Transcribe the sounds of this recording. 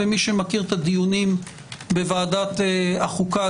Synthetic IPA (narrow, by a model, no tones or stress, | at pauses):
emiʃemakiʁt̪ad̪ijunim | bevaːdat̪eaχuka